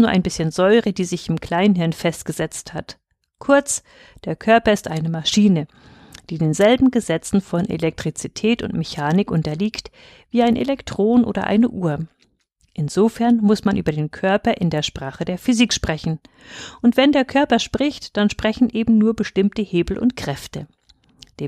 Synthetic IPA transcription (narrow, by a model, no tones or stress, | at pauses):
nuːɐʔaɪnbɪsçənzɔʏʁədiːzɪçɪmkl̥aɪnɦɪɐnfɛstɡ̥əzɛt͡sthat | kʰʊɐt͡s | d̥eːɐkʰœɐpɐɪstʔaɪnəmaʃiːnə | d̥iːdeːnzɛlbm̩ɡəzɛt͡sn̩fɔnʔḛlɛk̚tʁ̥it͡sitʰɛːtʊ̰ntmeçaːnɪkʔʊntɐliːkt | viːaɪnʔḛlɛktʁ̥oːnʔo̰ːdɐ̰ʔa̰ɪnəʔuːɐ | ʔɪnzofɛɐnmʊsmanʔy̰ːbɐdeːnkʰœɐpɐʔɪndeːɐʃpʁ̥aːχədeːɐfyzikʃpʁ̥ɛçn̩ | ʔʊntv̥ɛndeːɐkʰœɐpɐʃpʁ̥ɪçtd̥anʃpʁ̥ɛçn̩ʔeːbm̩nuːɐbəʃtɪmtəheːbl̩ʔʊ̰ntkʁ̥ɛftə | d̥eː